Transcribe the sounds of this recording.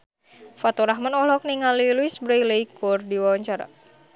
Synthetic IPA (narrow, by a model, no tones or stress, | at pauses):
fat̪ɔɾaɦmanɔlɔk̚niŋaliluisbɾaləjkurdiwawaɲt͡ʃaɾa̰